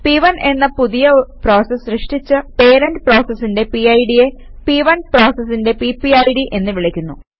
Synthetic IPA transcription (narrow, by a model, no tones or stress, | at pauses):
piʋɐnʔe̞nːɐpuðijɐpro̞ːsɐsrɨʂʈit͡ɕːɨpe̞ːɾɐnɖpro̞ːsɐsːinde̞piɐjɖijepiʋɐnpro̞ːsɐsːinde̞pipːiɐjɽiʔe̞nːɨʋiɭikʲːunːu